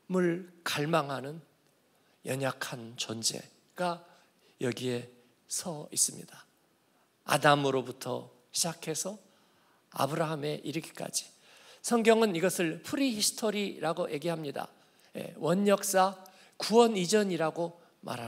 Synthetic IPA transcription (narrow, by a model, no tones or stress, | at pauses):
muɭkaɭmaŋɦanɯn | jʌɲakʰant͡ɕond͡ʑe̞̰ | ɡ̥a | jʌɡie̞ | sʰʌis͈ɯmɲḭd̥a | a̰damɯɾobutʰʌ̰ | ɕʰid͡ʑakʰe̞sʰʌ | a̰bɯɾaɦame̞ʔiɾɯkʰi̥k͈a̰d͡ʑi̥ | sʰʌŋɡjʌŋɯniɡʌsʰɯɭpʰuɾihisʰɯ̥tʰoɾiɾaɡojʔe̞ɡeɦamɲida̰ | je̞̰wʌɲjʌk̚s͈a | kuwʌnid͡ʑʌɲiɾaɡo | mʔa̰ɾɦa